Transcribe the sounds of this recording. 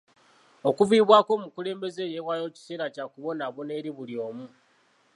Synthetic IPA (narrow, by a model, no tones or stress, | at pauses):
o̞kuviːβwaːko̞ːmukule̞ːmbe̞ze̞jewajo̞ci̥se̞ːɾacakuβo̞naβone̞ɾiβulio̞ːmu